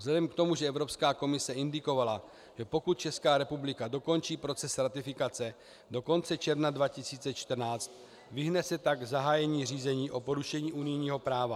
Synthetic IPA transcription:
vzlɛdɛmkt̪o̞muʒɛɛvɾo̞pskaːko̞mɪsɛʔɪndɪko̞vala | ʒ̥ɛpo̞kut̪̚t͡ʃɛskaːɾɛpublɪkado̞ko̞nt͡ʃiːpɾo̞t͡sɛsɾat̪ɪfɪkat͡sɛ | do̞ko̞nt͡sɛt͡ʃɛɾvnadvacɪsiːt͡sɛt͡ʃt̪r̩naːt͡st̪ | vɪɦnɛsɛt̪aɡzaɦaːjɛɲiːr̝iːzɛɲiːʔo̞po̞ɾuʃɛɲiːʔunɪjɲiːɦo̞pɾaːva

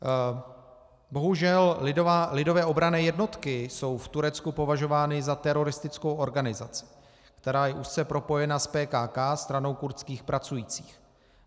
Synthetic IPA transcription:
bo̞ɦuʒɛllɪdovaːlɪdo̞vɛːʔo̞bɾanɛːjɛdno̞t̪kɪso̞wft̪uɾɛt͡skupo̞vaʒo̞vaːnɪzat̪ɛɾo̞ɾɪst̪ɪt͡sko̞wʔo̞ɾɡanɪza̰t͡sɪ̥ | kt̪ɛɾaːjɛʔust͡sɛpɾo̞po̞jɛnaspɛːkaːkaːst̪ɾano̞wkuɾt͡skiːxpɾʔat͡sujiːt͡siːx

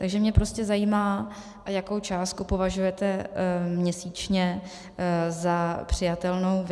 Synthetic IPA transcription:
t̪aɡʒɛmɲɛpɾo̞scɛzajiːmaː | jako̞wt͡ʃaːst̪̚kupo̞vaʒujɛt̪ɛmɲɛsiːt͡ʃɲɛ | zapr̝̥ɪjat̪ɛlno̞wv

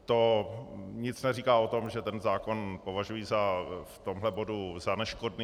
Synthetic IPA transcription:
t̪o | ɲɪt͡snɛriːkaːo̞t̪o̞mʒɛt̪ɛnzaːko̞npo̞vaʒujizaft̪o̞mɦlɛbo̞duzanɛʃko̞dni

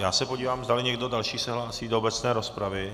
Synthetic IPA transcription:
jaːsɛpoɟiːvaːmzd̪alɪɲɛɡdo̞dalʃiːsɛɦlaːsiːdoobɛt͡snɛːɾospɾavɪ

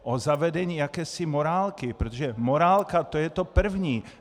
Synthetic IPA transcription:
ʔɔzaʋɛd̪ɛɲiːjakɛːsimɔɾaːlkipɾɛt̪ɔʒɛmɔɾaːlkat̪ɔjɛt̪ɔpr̩ʊɲiː

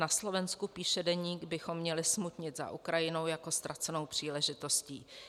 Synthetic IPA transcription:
naslo̞vɛnskupiːʃɛdɛɲiːɡbɪxo̞mːɲɛlɪsmut̪ɲɪd̪za̰ʔukɾajɪno̞wjako̞st̪ɾʔat͡sɛno̞wpr̝̥iːlɛʒɪt̪o̞sciː

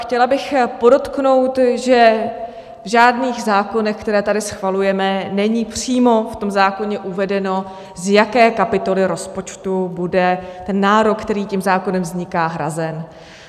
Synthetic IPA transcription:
xcɛlabɪxpo̞do̞t̪kno̞wt̪ʒɛ | vʒaːdniːɣzaːko̞nɛxkt̪ɛɾɛːt̪adɪsxvalujɛmɛnɛɲiːpr̥iːmo̞ft̪o̞mzaːko̞ɲɛʔuvɛdɛno̞ | zjakɛːkapɪt̪o̞lɪɾo̞spo̞t͡ʃt̪ubudɛt̪ɛnːaːɾo̞kːt̪ɛɾiːcimzaːko̞nɛmvzɲɪkaːɦɾa̰zɛn

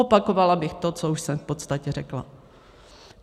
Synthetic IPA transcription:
opako̞valabɪxt̪ot͡souʃsɛmfpo̞t̪st̪acɛrɛkla̰

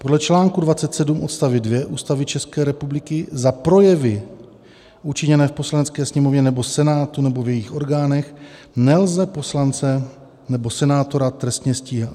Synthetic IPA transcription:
podlɛt͡ʃlaːŋkudvat͡sɛt̪sɛdumʔo̞t̪st̪avɪdvjɛʔuːst̪avɪt͡ʃɛskɛːɾɛpublɪkɪzapɾo̞jɛvɪ | ʔut͡ʃɪɲɛnɛːfpo̞slanɛt͡skɛːsɲɛmo̞vɲɛnɛbo̞sɛnaːt̪unɛbo̞vjɛjixo̞ɾɡaːnɛx | nɛlzɛpo̞slant͡sɛ | nɛbo̞sɛnaːt̪o̞ɾat̪ɾɛst̪ɲɛsciːɦat̪

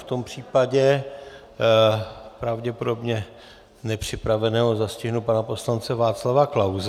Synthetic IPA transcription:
ft̪o̞mpr̝̥iːpaɟɛ | pɾavɟɛpodo̞bɲɛ | nɛpr̝̥ɪpɾavɛnɛːɦozascɪɦnupanapo̞slant͡sɛvaːt̪t͡slavaklawz

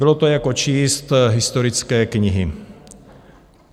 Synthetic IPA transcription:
ɪlot̪ojako̞t͡ʃiːst̪ɦɪst̪oɾɪt͡skɛːkɲɪɦɪ̰

